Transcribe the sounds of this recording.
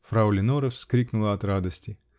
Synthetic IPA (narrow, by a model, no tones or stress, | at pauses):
fɾaʊlʲɪnoɾəfskɾʲiknʊlˠəɐt̪rad̪əsʲtʲɪ